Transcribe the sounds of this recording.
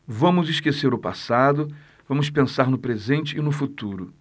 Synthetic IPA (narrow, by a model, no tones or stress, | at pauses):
vɐ̃mʊziʃkeseɾʊpa̰sad̪ʊ | vɐ̃mʊspẽsaɾnʊpɾezẽnt͡ʃɪːnʊfut̪uɾʊ